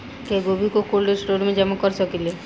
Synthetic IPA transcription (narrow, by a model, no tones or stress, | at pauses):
keɡobʱikokolɖeɾsʈoɾmed͡ʒɛmakɔɾsɔkile